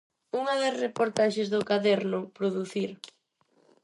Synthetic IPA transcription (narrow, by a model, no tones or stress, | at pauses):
uŋɐðɐsrepoɾt̪aʃezðʊkaðɛɾnʊpɾoðuθiɾ